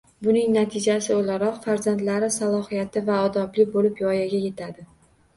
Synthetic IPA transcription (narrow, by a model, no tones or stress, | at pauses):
bʊnɪŋnat̪ʰɪd͡ʒasɪolaɾɒqfaɾzand̪laɾɪsalˠɒhijat̪ʰɪvaɒd̪ɒblɪk̚ʲbolɪpjɒjaɡʲaje̞t̪ʰad̪ɪ